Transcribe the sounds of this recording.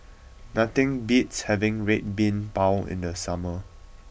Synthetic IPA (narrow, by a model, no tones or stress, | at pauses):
nat̪ɪ̃ŋbitshɛvɪ̃ŋɹet̚bĩnbaʊɪ̰̃ndəsamə